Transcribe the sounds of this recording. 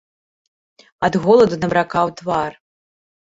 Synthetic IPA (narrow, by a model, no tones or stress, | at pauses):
ɐd̪ɣɔlˠɐd̪unɐbɾakawt̪var